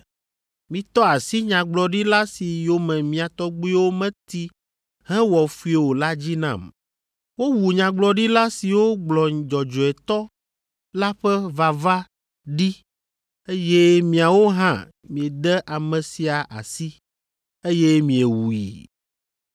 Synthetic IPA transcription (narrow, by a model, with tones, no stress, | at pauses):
mĩ˨t̪ɔ˦a˨si˦ɲã˨ɡ͡blɔ˨ɖi˦la˦si˨jo˨mɛ̃˨mĩ˨a˨t̪ɔ˦ɡ͡bu˦i˦wo˦mɛ̃˦t̪i˦ | ɦɛ̃˦wɔ˨fu˦i˦˨e˨wo˨la˦d͡ʑi˦nã̰˦˨m | wo˦wu˨ɲã˨ɡ͡blɔ˨ɖi˦la˦si˨wo˦ɡ͡blɔ˨d͡ʒɔ˨d͡ʒɔ˨ɛ˨t̪ɔ˦ | la˦ɸɛ˦va˨va˦ | ɖi˦ | e˦jɛ˦mĩ˨a˨wo˦ɦã̰˦˨ | mĩ˨e˨d̪ɛ˦ʔa˨mɛ̃˨si˨a˨ʔa̰˨si˦ | e˦jɛ˦mĩ˨e˨wu˨jḭ˨